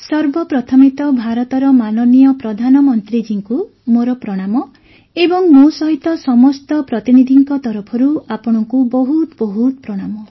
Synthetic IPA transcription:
sɔɾbɔpɾɔt̪ʰɔmit̪ɔbʱaɾɔt̪ɔɾɔmanɔnijɔpɾɔd̪ʱanɔmɔnt̪ɾid͡ʒiŋku | moɾɔpɾɔɽ̃amɔ | ebɔŋmosɔɦit̪ɔsɔmɔst̪ɔpɾɔt̪inid̪ʱiŋkɔt̪ɔɾupʰɔɾuapɔɽ̃ɔŋkubɔɦut̪bɔɦut̪pɾɔɽ̃amɔ

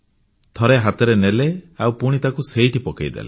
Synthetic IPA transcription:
t̪ʰɔɾeɦat̪ɔɾeneleawpuɽ̃it̪akuseiʈipɔkajd̪ḛlḛ

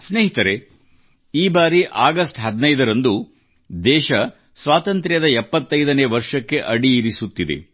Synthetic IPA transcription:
sneːɦit̪ɐɾe̞ | iːbaːɾiʔaːɡɐsʈɦɐd̪nɐjd̪ɐɾɐnd̪u | d̪ɛːʃɐ | sʋaːt̪ɐnt̪ɾjɐd̪ɐɛpːɐt̪ːɐjd̪ɐneːʋɐɾʂɐkːe̞ʔɐɽiːɾisut̪ːid̪ḛ

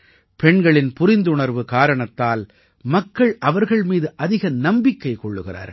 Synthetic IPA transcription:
pɛɳɡɐɭɪnpʊɾɪnd̪ʊɳɐɾʋɯkaːɾɐɳɐt̪ːaːl | mɐkːɐɭʔɐʋɐɾɣɐɭmiːðɯʔɐðɪɣɐnɐmbɪkːɐɪkɔɭːɯɣɪra̰ːɾ

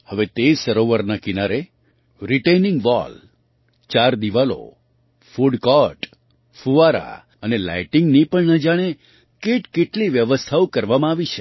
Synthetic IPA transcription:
həʋet̪esəɾoʋəɾnakinaɾe | ɾiʈejnɪŋɡʋɔ̰l | t͡ʃaɾd̪iʋalo̰ | fuɖkɔʈ | fuʋaɾa̰ | ənela̰jʈɪŋɡnipəɳnəd͡ʒaɽ̃e | keʈkeʈliʋjəʋəst̪ʰaokəɾʋamãaʋit͡ʃʰe

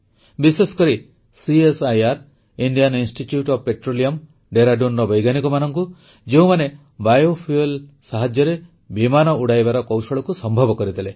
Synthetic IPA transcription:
bisesɔ̥kɔɾi | siesajaɾ | iɳɖijaninsʈiʈjuʈɔbpeʈɾoliɔm | ɖeɾaɖunɾɔbɔjɡanikɔmanɔŋku | d͡ʒeũmane | bajopʰielsaɦad͡ʒjɔɾe | bimanɔuɽajbaɾɔkɔwsɔɭɔkusɔmbʱɔbɔkɔɾid̪ʰʱile

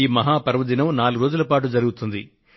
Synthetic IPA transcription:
iːmɐɦaːpɐɾʋɐd̪inɐmnaːluɾo̞ːd͡ʒulɐpaːʈ̬ud͡ʒɐɾuɡut̪und̪i

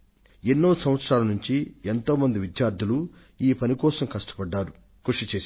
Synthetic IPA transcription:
enːoːsɐmʋɐt̪sɾaːlɐnuɲt͡ʃient̪o̞ːmɐnd̪iʋid̪jaːɾd̪ʱulu | iːpɐnikɔːsɐmkɐʂʈɐ̥pɐɖːaːɾu | kuʂit͡ʃeː

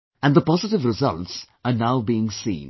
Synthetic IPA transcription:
æ̃nɖ̪d̪əpɔzɪʈɪʋɾɪzʌ̰lts | əɾnaʊbiɪ̃ŋsḭ̃ːn

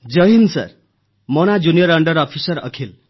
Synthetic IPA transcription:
d͡zʌɦinsʌ̰r | mʌnad͡zunijʌɾʌɳɖʌɾʌpʰisʌɾʌ̰kʰil

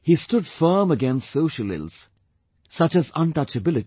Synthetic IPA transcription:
histʊdfɜːməɡɛ̃nstsoʊʃəlɪ̰lˠz̥ | sʌt͡ʃɨzʌ̃ntʌt͡ʃəbɪlɨt

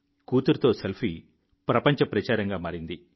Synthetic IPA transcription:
kuːt̪uɾt̪o̞ːselpʰi | pɾɐpɐɲt͡ʃɐpɾɐt͡ʃaːɾɐŋɡaːmaːɾind̪i

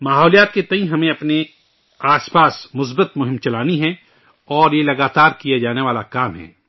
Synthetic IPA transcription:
maːɦɔːlijaːt̪̚ket̪ɐĩɦɐmẽɐpne | aːspaːsmʊs̬bət̪mʊɦɪ̃mt͡ʃɐlaːniɦɛ̃ | ɔːɾjelɐɡaːt̪aːɾkijad͡ʒaːneʋaːlakaːmɦɛ̰̃ː

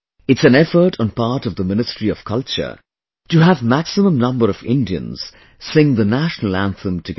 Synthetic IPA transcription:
ɨtsɨ̃nɛfəɾʰn̩pɑɹɾʌvðəmɪ̃nɨstɹiʌv̥kʰʌlˠt͡ʃə̰˞ | tɨɦəvmæksɨmə̃mnʌ̃mbəɾʌvɪ̰̃ndiɨ̰̃nz̥ | sɪ̃ŋðənæʃnl̩ˠæ̃nθə̃mtʰɨɡ

